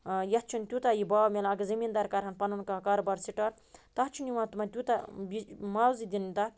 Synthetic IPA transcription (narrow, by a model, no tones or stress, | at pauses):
jɐtt͡ʃʰunt̪ʲut̪ajibaːwmʲelɐɡɐzɐmind̪ɐɾkɐɾɦɐnpɐnunkakɐɾbɐɾsiʈɐɾ | t̪ɐt͡ʃʰuniwãːt̪umɐt̪ʲut̪abimawzid̪init̪ɐ